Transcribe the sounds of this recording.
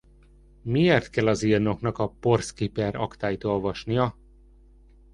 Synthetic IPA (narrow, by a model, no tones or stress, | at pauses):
mieːrt̪kɛlːɒzirno̞knɒkɒpo̞rskipɛrɒkt̪aːjit̪o̞lvɒʃnijɒ